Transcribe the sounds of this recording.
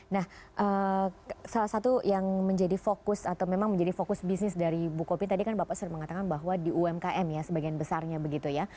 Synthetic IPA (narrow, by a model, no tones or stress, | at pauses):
nahʔə | salahsat̪ujaŋməɲd͡ʒadifokʊsat̪awmemaŋməɲd͡ʒadifokʊsbisnɪsdaɾibukopint̪adikanbapaʔsuɾaməŋat̪akanbaɦwadiuɛmkaʔɛmjasəbaɡianbəsarɲabəɡit̪uja